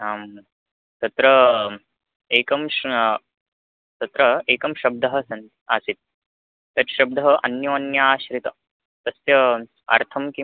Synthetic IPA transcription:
aːm | t̪ɐt̪ɾɐ | eːkɐm | t̪ɐt̪ɾɐeːkɐmʃɐb̚d̪ɐɦɐ̆sɐnt̪aːsit̪̚ː | ɐɾʃɐb̚d̪ɐɦɐʔɐnjoːɐnjaːɕɾit̪ɐ | t̪ɐsjɐ | ɐ̰ɾt̪ʰɐmki

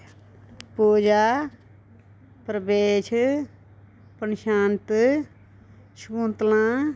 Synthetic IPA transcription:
poːd͡ʒaː | pɾəbeːʃ | pənʃaːnt̪ | ʃõːnt̪lãː

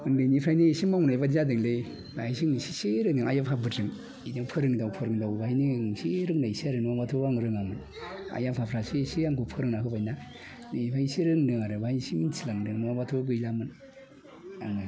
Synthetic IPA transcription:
ɯŋdenipʰɾajnisimawnajbazadɯŋle | basiŋisi̥seɾɯdiŋajapʰabɯtɾɯŋ | idiŋpʰɯɾɯŋidawpʰɯɾɯŋdawbainiŋseɾɯŋnaisiaɾɯnuabatʰoaŋɾɯŋamɯn | a̰japʰapʰɾasisiaŋɡupʰɯɾɯŋnahɯbajna | niipʰajsiɾɯŋdɯŋaɾɯbajnsiminsilaŋdɯŋnuabatʰoɡɯjlamɯn | aŋɯ

